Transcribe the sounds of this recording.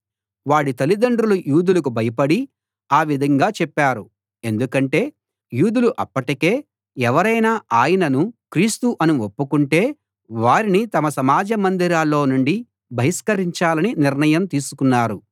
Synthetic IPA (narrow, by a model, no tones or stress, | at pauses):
ʋaːɽit̪ɐlid̪ɐɳɖɾulujuːd̪ulɐk̬ubʱɐjɐpɐɽi | aːʋid̪ʱɐŋɡaːt͡ʃɛpːaːɾu | e̞nd̪ukɐɳʈe̞ː | juːd̪uluʔɐpːɐʈike̞ː | ɛʋɐɾɐjnaːaːjɐnɐnukɾiːst̪uʔɐnuopːukuɳʈe̞ː | ʋaːɾinit̪ɐmɐsɐmaːd͡ʒɐmɐnd̪iɾaːlːo̞ːnuɳɖi | bʱɐɦiskɐɾiɲt͡ʃaːlɐniniɾnɐjɐmt̪iːsu̥kunːaːɾu